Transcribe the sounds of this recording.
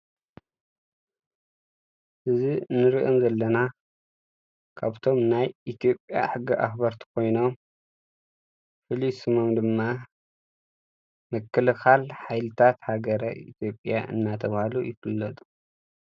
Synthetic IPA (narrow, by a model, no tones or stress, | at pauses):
ʔɨzinːɨɾɨʔomzɐlːɐna | kʰaβt̪ʰo̞mnajit̪ʰijo̞pʼja̰ħɨɡːiʔa̰xbɐɾt̪ʰi̥kʰo̞jno̞m | fɨlisɨmomd̪ɨmːa | mɨkːɨlɨxalħajlɨt̪ʰat̪haɡɐɾɐ̰ḭt̪ʰjo̞pʼja̰ʔɨ̰nːat̪ʰɐβhalujɪfɨlːɐt̪ʼu̥